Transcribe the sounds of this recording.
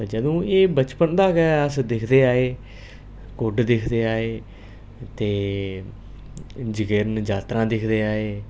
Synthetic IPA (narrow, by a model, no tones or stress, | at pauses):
d͡ʒəd̪õːeːbət͡ʃpənd̪aːɡɛːəsd̪ɪkʰd̪eːaːeː | koɖd̪ɪkʰd̪eːaːeː | t̪eː | d͡ʒəkeɾnd͡ʒaːt̪ɾãːd̪ɪkʰd̪eːaːeː